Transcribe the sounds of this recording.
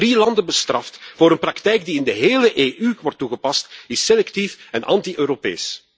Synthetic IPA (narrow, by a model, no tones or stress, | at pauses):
rilɑndəbəstrɑftvoːɾənprɑktɛjɡ̚diɪndəɦeːləʔeːʔyʋɔrtːuɣəpɑstɪselɛktifɛnʔɑ̰ntiʔøːɾopḛːs